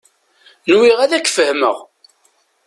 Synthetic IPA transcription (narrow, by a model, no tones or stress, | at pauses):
nwiʁæðækːfəhmə̰ʁ